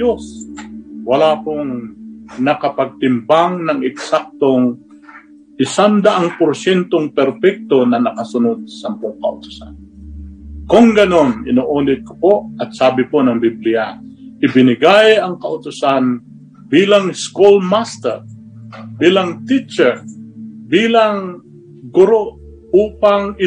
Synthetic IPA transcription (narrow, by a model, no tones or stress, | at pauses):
os | wɐlaːpoŋnɐkɐpɐɡ̚t̪ɪmbaŋnɐŋɛksak̚t̪oŋ | ʔɪsand̪ɐʔaŋpoɾsjɛnt̪oŋpɛɾpɛk̚t̪onɐnɐkɐsʊnod̪̚sampoŋkɐʔʊt̪ʊ̥sa̰n | koŋɡɐno̞nɪnoːʔoːnɪd̪̚ko̥poʔɐt̪̚saːbɪponɐŋbiblɪjaʔɪbɪnɪɡajɐŋkɐʔʊt̪ʊsan | biːlaŋskulmast̪ɛ̰ɹ | biːlaŋt̪it͡ʃɛɹbiːlaŋ | ɡʊɾoʔ | ʔuːpaŋɪ